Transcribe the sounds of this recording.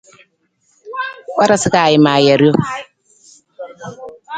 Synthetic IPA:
wa˦ɾa˨su˦ka˨ji˨maː˨jɛ˨ɾo˦

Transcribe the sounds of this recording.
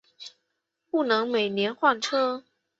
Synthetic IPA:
pu˥˩nɤ˧˥ŋme˨˩ɪnjɛ˧˥nxwa˥˩nʈ͡ʂʰɤ˥

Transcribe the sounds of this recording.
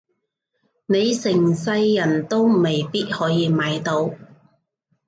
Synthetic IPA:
ne˨˧jsɪ˨˩ŋsɐ˧jːɐ˨˩nt̪o˥wme˨˩jpiː˥t̚hɔː˨˥jiː˨˧maː˨˧˥jt̪o˨˥w

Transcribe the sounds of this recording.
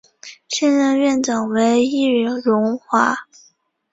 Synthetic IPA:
ɕjɛ˥˧nɻə˥˧nɥɛ˥˩nʈ͡ʂɑ˨˩ŋwe˧˥ɪi˥˩˨ɻʊ˧˥ŋxwa˧˥

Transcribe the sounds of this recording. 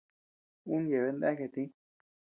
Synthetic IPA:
u˦nje˨βe˧nd̪a˦ke˨t̪ĩ˦

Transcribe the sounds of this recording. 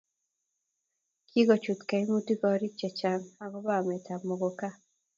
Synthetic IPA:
ki˦ɡɔ˨t͡ʃu˨t̪ka˨i˦mu˦ti˦kɔ˨ɾi˦t͡ʃɛ˨t͡ʃa˨na˨ɡɔ˦ba˦˨mɛ˨ta˨mɔ˨ɡɔ˨ka˦

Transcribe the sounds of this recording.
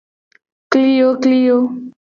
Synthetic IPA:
kli˦jo˦kli˦jo˦

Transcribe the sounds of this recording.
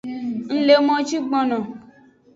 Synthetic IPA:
n̩˦le˦mɔ̃˦t͡ʃi˦ɡ͡bɔ̃˦nɔ̃˨

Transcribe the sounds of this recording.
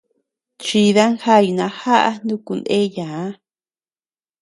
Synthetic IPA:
t͡ʃi˧ða˦ŋxa˦˨ju˧nã˧xa˦ʔa̰˧nd̪ũ˦ku˧nd̪ẽ˦jã˨˦

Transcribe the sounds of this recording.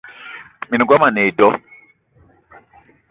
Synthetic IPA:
mi˨ni˨ɡwa˦ma˨ne˨dɔ˦

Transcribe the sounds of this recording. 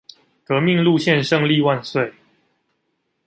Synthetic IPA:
kɤ˧˦mi˥˧ŋlu˥˧˨ɕjɛ˥˨nʂɤ˥˧ŋli˥˧wa˥˧nswe˥˨ɪ

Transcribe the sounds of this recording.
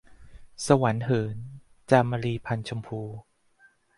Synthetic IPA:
sa˧wa˩˦nɦɤː˩˦n | t͡ɕaː˧ma˧ɾiː˧pʰa˧nt͡ɕʰo˧mpʰuː˧

